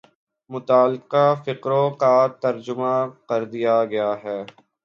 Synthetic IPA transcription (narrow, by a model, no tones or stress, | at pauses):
mʊt̪aːlqafɪqɾõkat̪ɐɾd͡ʒʊmakɐɾd̪ijaɡɐjaɦɛː